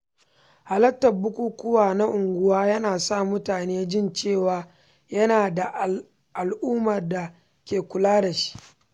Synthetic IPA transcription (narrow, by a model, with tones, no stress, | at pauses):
ha˨lɐ˦tːɐ˨bʊ˦kʷuː˦kʷʊ˦waː˨na˦ʔʊ˨ŋɡʷʊ˦waː˦jɐ˦naː˨sa˦˨mʊ˦taː˨neː˦d͡ʒɪ˦˨nt͡ʃeː˦˨waː˨ | jɐ˦naː˨da˨ʔ | ʔa˨lʔuː˦mɐ˨rda˨ | kʲeː˨kʷʊ˨laː˦da˨ʃi̥˦